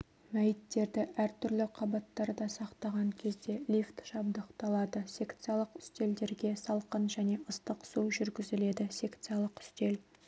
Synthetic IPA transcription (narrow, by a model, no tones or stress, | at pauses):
mæjɪt̪ːe̞ɾd̪ɪʔæɾt̪ʰʏɾlɪqʰɑbɑt̪ːɑɾd̪ɑsɑqt̪ɑʁɑŋkʲʰe̞zd̪e̞lʲift̪ʃɑb̚d̪əqt̪ɑlˠɑd̪əsʲe̞kt̪sɨjɑlˠəqʏ̥st̪e̞ld̪e̞ɾɡʲe̞sɑlˠqənʒæne̞ʔəst̪əqsuʒʏɾɡʲɪzɪle̞d̪ɪsʲe̞kt̪sɨjɑlˠəqʏ̥st̪e̞l